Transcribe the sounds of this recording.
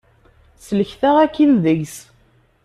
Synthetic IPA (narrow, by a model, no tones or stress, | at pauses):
sələçθæʁækːinðəʝs